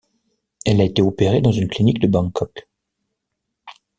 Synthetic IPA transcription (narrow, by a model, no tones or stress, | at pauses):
ɛlaet̪eopeʁed̪ɑ̃zynklinikd̪əbɑ̃kʰɔk